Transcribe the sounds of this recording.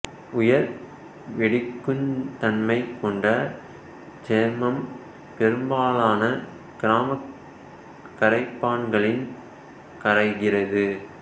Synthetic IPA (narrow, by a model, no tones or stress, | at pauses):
ʊjɐɾ | ʋɛɽɪkːɯnt̪ɐnmɐɪkɔɳɖɐ | d͡ʒɛɾmɐm | pɛɾɯmbaːlaːnɐ | ɡ̥ɪɾaːmɐ | kːɐɾɐɪpːaːɳɡɐɭɪn | kɐɾɐɪɣɪrɐðɯ